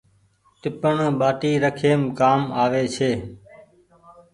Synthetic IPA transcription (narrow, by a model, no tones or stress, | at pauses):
ʈ̪ɪpəɳɓaːʈiːɾəkʰeːmkaːmaːʋeːt͡ʃʰeː